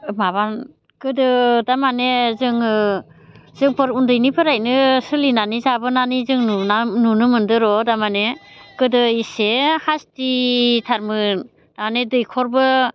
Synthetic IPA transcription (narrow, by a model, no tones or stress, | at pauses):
maβan | kɯdɯdamanezɯŋɯ | z̥ɯŋpʰɯɾundɯjnipʰɯɾajnɯsɯlinanizabɯnanizɯŋnunanunɯmɯndɯɾɔdamanekɯdɯisehastitʰaɾmɯn | damanedɯjkʰɔɾbɯ